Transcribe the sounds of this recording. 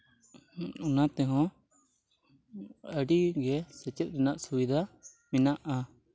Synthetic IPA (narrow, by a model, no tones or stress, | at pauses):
ʊnat̪ɛɦɔ̃ | əɽiɡɛsət͡ʃɛt̪̚ˀɾɛnaʔsubid̪ʱa | mɪnaʔa